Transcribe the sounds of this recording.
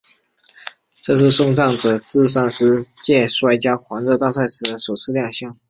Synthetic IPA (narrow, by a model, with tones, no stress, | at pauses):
ʈ͡ʂɤ˥˧ʂ̬ɻ̩˥˧ʂʊ˥˧ŋʈ͡ʂɑ˥˩ŋʈ͡ʂɤ˨˩t͡sɹ̩˥˧s̬a˥˩ŋʂɻ̩˥t͡ɕjɛ˥˩ʂwa˥˩ɪt͡ɕja˥kʰwɑ˧˥ŋt͡sɤ˥˧t̪a˥˧sa˥˩ɪʂɹ̩˨˩d̪ə˦ʂo˨˩ʊʂʰɹ̩˥˧ljɑ˥˧ŋɕjɑ˥˩ŋ